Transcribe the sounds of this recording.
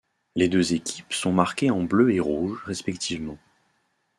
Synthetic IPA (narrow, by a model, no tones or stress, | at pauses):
led̪øzekʲi̥psɔ̃maʁkʲeɑ̃bløeʁuʒʁɛspɛkt̪ʰivmɑ̃